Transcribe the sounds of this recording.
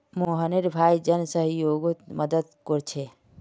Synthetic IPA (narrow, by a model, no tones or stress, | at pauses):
moːɦəneɾbʱaːjd͡ʒɐnsəɦjoːɡut̪mɐd̪əd̪koɾt͡ʃʰe